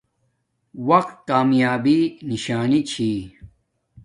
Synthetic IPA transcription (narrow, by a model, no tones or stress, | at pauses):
wɐqt̪̚kaːmjaːbiniɕaːnit͡ɕʰi